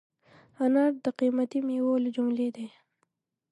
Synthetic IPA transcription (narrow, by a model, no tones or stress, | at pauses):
anɑɾd̪əqimat̪imewɑld͡ʒʊmled̪e